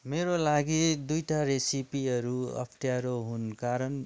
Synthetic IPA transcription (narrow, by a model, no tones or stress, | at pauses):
meɾolaɡid̪ujʈaɾesipiʌɾuʌ̰pʰʈjaɾoɦunkaɾʌn